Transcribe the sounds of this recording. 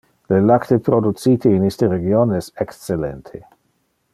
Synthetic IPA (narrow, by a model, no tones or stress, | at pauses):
lelakt̪epɾod̪ut̪t͡siːt̪ʰeinist̪eɾeɡjonɛsɛkst͡selɛ̰nt̪ʰe